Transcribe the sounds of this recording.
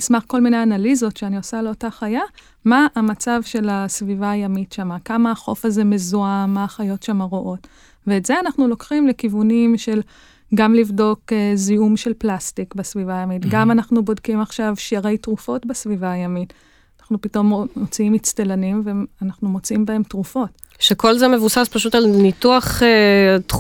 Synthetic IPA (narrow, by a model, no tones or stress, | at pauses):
nismaχko̞lminejanalizo̞tʃeaniosale̞o̞taχaja | maʔːmat͡savʃe̞lasvivaːjamitʃamakamaːχo̞̰faze̞me̞zuamːaːχajo̞tʃamaʁoʔo̞t | veːtz̥e̞anaχnulo̞kχimlekivunimʃe̞l | ɡamlivdo̞keziumʃelplastikbasvivajamitɡamanaχnubo̞dkimaχʃavʃiaʁe̞jtʁufo̞tbasvivaːjamit | anaχnupito̞momot͡siimit͡stelanimveanaχnumo̞t͡siimbae̞mtʁufo̞t | ʃeko̞lzemevusaspaʃutalnituaχet